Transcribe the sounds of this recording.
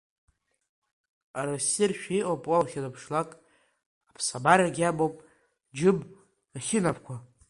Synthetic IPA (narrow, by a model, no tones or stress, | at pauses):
aɾasirʃᶣiʔopʼwalχʲalapʰʂlakʼ | apʰsabaɾaɡʲabowpʼ | d͡ʒɨb | χʲɪnapʰkʷʰa